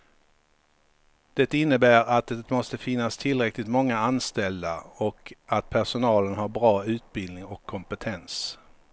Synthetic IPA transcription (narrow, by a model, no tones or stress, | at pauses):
d̪̥ɛt̪əɪnːəbæːɾat̪̚d̪ɛt̪mɔst̪əfɪnːast̪ʰɪlɾɛklɪt̪mɔŋːaanst̪ɛld̪aɔkat̪̚pʰæʂʊnɑːlənhaɾbɾɑːʉ̟ːt̪̚bɪld̪nɪŋɔkʰːɔmpət̪ʰɛns